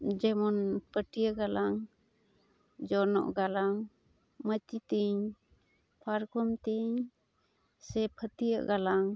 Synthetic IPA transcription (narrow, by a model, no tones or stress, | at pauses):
d͡ʒɛmɔnpəʈijəɡalaŋ | d͡ʒɔnɔ̰ʔɡalaŋ | mət̪it̪iŋ | pʰaɾkʰɔmt̪iŋ | sɛpʰət̪ijəʔɡalaŋ